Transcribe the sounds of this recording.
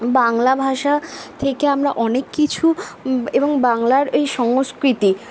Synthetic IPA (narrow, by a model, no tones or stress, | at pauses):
baŋlabʱaʃat̪ʰekeamɾaʔɔnekːit͡ɕʰueboŋbaŋlaɾejʃɔŋoskɾit̪i